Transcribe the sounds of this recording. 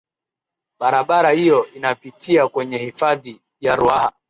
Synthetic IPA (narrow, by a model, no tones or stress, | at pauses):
ɓaɾaɓaɾahijɔʔinapitʰiakwɛɲɛhifaði | jaɾuaha